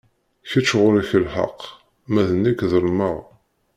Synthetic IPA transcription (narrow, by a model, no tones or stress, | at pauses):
çət͡ʃːʁʊɾiçəlħɑ̰q | mæðənːikðəɾməʁ